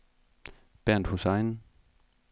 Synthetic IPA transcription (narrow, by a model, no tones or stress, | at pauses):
b̥æɐ̰nd̥husɑ̈ɪn